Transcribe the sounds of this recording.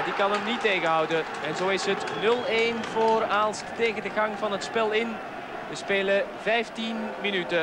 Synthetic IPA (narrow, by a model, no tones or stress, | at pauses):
dikɑnəmniteːɣənɦʌwdə | ɛnzoːɪsɦətnɵlˠeːnvoːɾaːlˠstteːɣəndəɣɑŋvɑnɦətspɛlˠɪn | ʋəspeːləvɛjftinminytə